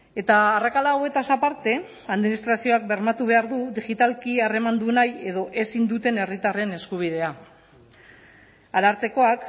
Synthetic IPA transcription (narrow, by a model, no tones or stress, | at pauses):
e̞t̪aːrakalawe̞t̪asapaɾt̪e̞ | aðminist̪ɾasio̞ak̚be̞ɾmat̪uβ̞e̞aɾðuðiɣit̪alkiare̞mand̪unaje̞ð̞o̞ʔe̞sind̪ut̪e̞ne̞rit̪are̞ne̞skuβ̞ið̞e̞a | aɾaɾt̪e̞ko̞ak